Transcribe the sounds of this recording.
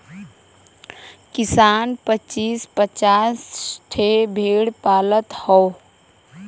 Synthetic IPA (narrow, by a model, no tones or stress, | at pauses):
kɪsaːnpət͡ʃiːspət͡ʃaːsʈʰebʱeːɽpaːlət̪hɔ